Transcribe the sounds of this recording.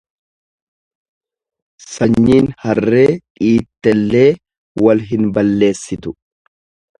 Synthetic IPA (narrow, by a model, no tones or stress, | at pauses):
sɐɲːiːnhɐrːe̞ːᶑʼiːt̪ːɛlːe̞ː | wɐlɦɪnbɐlːe̞ːsːɪt̪ʊ